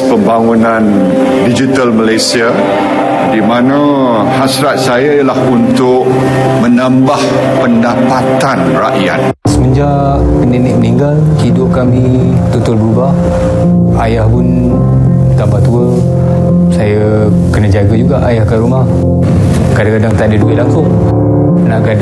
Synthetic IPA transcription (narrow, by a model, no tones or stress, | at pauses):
pəmbaŋunãn | did͡ʒit̪əlməlajsia | dimanã | hasɾat̪̚sajajlahunt̪ʊʔ | mənãmbah | pəndapat̪anraʔja̰t̪̚ | səməɲd͡ʒa | kənenɪʔ̚məniŋɡal | hidʊʔ̚kamĩ | t̪ut̪ʊlbəɾubah | ajahpʊn | t̪ambaht̪uə | saja | kənad͡ʒaɡad͡ʒuɡaʔajahkəɾumah | kadakadaŋt̪adiduɪʔlaŋsʊŋ | ənaʔkad